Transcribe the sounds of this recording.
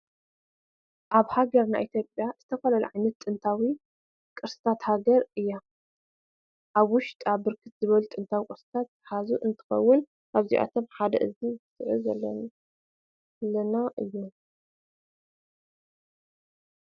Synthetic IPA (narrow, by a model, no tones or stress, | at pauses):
ʔaβhaɡɐɾna̰jʔit̪ʰjopʼjaz̥ɨt̪ʰɐfɐlɐlṵʕajnɐt̪ːʼɨnt̪ʰawi | kʼɨɾsɨ̥t̪ʰat̪haɡɐɾɨjːa | ʔaβwʊʃt̪ʼaβɨɾkʰɨt̪̚z̥ɨβɐlut̪ʼɨnt̪ʰawikʼɨɾsɨ̥t̪ʰat̪̚ħazuʔɨnt̪ʰɨ̥xɐ̰wːʊn | ʔaβzḭʔa̰t̪ʰo̞mħad̪ɐ̰ʔɨzizɨsɨʕuzɐlːɐ̰n | lːɐnaʔɨjːu